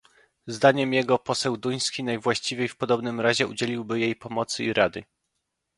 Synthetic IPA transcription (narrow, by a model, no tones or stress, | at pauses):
zd̪aɲɛmjɛɡɔpɔsɛwd̪uj̃skʲinajvwaɕt͡ɕivʲejfpɔd̪ɔbnɘmɾaʑɛud͡ʑelʲiwbɘjejpɔmɔt̪sɘiɾad̪ɘ